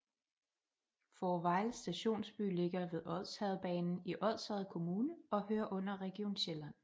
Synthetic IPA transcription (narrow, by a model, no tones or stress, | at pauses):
fɒːʋɑ̈ɪlsd̥æɕo̝̰ːnsb̥y̰le̝ɡ̥ɐʋe̝ðˠɒ̽ð̰ˠshɛð̞̩ˠb̥ɛ̰ːnn̩iʔɒ̽ð̰ˠshɛð̞̩ˠkʰo̝muːnəɒ̽høːɐʔɔ̽n̰ɐʁɛɡ̥io̝̰ːnɕelæn̰